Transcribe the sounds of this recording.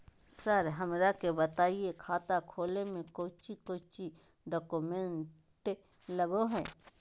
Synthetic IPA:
səɾɦɐmɾakebət̪aːiekʰaːt̪akʰoːlemẽkoːt͡ʃikoːt͡ʃi | ɖɔːkumẽɳ | ʈ | ləɡoɦɛː

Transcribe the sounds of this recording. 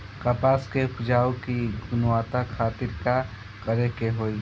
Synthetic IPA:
kapaːskeʊpʊd͡ʒaːokiɡʊnwaːt̪akʰaːt̪ɪɾka | kəɾekeɦoːi

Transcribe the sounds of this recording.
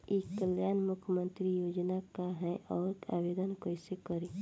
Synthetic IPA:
eːkːəljaːnmʊkʰjəmə̃nt̪ɾijoːd͡ʒnakaɦɛ̃ʔɔːɾaʋeːd̪ənkoisekəɾeː

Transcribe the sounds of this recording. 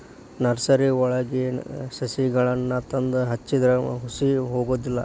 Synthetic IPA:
nɐɾsɐɾiɔɭɐɡesɐsiɡɐɭɐnːɐt̪ɐnd̪ɐɦɐt͡ʃːid̪ɐɾɐɦusiɦoːɡoːd̪ilːɐ

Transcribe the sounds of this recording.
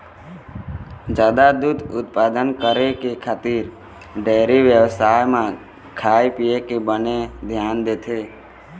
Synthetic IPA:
d͡ʒjaːd̪ad̪ud̪ʊt̪̚paːd̪ənkəɾekekʰaːt̪iːɾ | ɖeːɾiʋjəʋsaːjmã | kʰaːjpijekebəned̪ʱjaːnd̪eːt̪ʰeː

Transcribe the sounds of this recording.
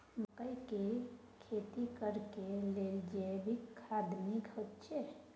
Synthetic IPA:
bəkəjke | kʰet̪ikəɾkeleld͡ʒebʱikʰad̪mikot̪t͡ʃʰe

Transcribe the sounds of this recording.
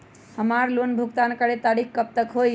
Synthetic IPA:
həmaɾlonbʱuɡt̪ankəɽet̪aɾikkəp̚t̪əkɦoj

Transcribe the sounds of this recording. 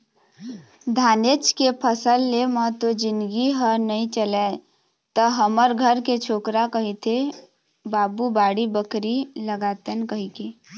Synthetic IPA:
d̪ʱaːnet͡ʃkepʰəsəlːemət̪od͡ʒɪnɡiɦənəĩt͡ʃəlɛ | t̪əɦəməɾɡʱəɾket͡ʃʰoːkɾakəɦit̪ʰe | baːbubaːɽibəkɾiləɡat̪ənkəɦike

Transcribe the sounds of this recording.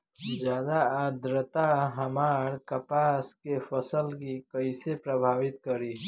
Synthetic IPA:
d͡ʒjaːd̪aəd̪ɾət̪aɦəmaːɾkəpaːskepʰəsəlkikəisepɾəbʱaːʋɪt̪̚kəɾi

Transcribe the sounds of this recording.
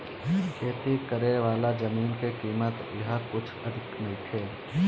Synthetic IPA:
kʰeːt̪ʰikəɾeʋaːlad͡ʒɐmiːnkekiːmət̪jɐɦəkʊt͡ʃʰɐd̪ʱɪknɐɦĩt̪ʰeː

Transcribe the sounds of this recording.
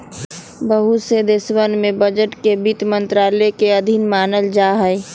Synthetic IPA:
bəɦused̪ɪswənmẽbəd͡ʒəʈkebit̪mə̃nt̪ɾaːlekeɐd̪ʱinmaːnəld͡ʒaːɦəe

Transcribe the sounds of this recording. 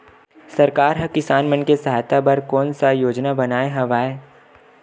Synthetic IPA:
sɐɾkaːɾɦɐkɪsaːnmənkesɐɦaːjt̪ʰabɐɾkɔːnsajoːd͡ʒnabɐnaːeɦɐʋaːe

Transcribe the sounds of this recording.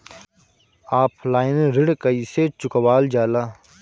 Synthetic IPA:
aːpʰlaːɪnɾɪɽkəiːset͡ʃʊkʋaːld͡ʒaːlaː

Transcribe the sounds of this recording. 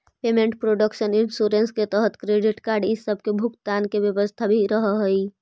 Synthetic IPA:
pemẽɳʈpɾoɖəkʃənɪnsuɾensket̪əɦət̪kɾeɖɪʈkaːɾɖɪsːəb̚ʱkebʱʊkt̪ankebjəbəst̪ʰabʱiɾəɦəɦəi

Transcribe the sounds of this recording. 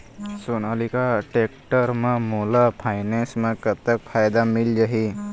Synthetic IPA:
sunalikaʈekʈəɾmẽmolapʰaɪnẽsmẽkət̪ːəkpʰaːjd̪amɪld͡ʒaɦi

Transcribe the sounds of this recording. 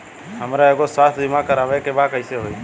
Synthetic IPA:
ɦəmɾaːeːɡosaːt̪ʰd̪ʱɪmãːkəɾaːʋeːkebaːkəiseɦoi

